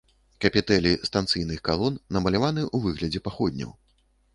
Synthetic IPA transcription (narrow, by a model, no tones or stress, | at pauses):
kɐpʲit̪ɛlʲist̪ant̪sɨjnɨxkalˠɔnːɐmɐlʲavanɨʔuvɨɣlʲɐd͡zʲɛpaxɔd̪ʲnʲɐ̰w